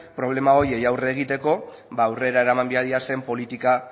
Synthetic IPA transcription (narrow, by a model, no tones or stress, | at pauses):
pɾo̞β̞le̞mao̞je̞jawre̞ːɣ̞it̪e̞ko̞ | βaːwre̞ɾae̞ɾamambeaðiase̞mpo̞lit̪ika